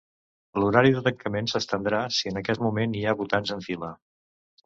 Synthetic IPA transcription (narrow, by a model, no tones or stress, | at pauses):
luɾaɾiðət̪əŋkəmensəst̪ənd̪ɾasiənəkɛt̪mumeniaβut̪anzəɱfilə